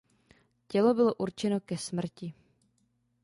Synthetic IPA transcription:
cɛlo̞bɪlo̞ʔuɾt͡ʃɛno̞kɛsmr̩cɪ

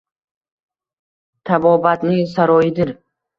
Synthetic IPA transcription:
t̪ʰabɔbat̪nisaɾɔid̪iɾ

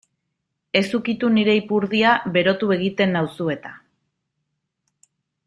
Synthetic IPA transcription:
e̞sukit̪uniɾe̞ipuɾðiaβe̞ɾo̞t̪ue̞ɣ̞it̪e̞nːawsue̞t̪a

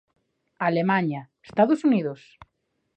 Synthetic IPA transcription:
alemãɲaest̪aðosuniðos

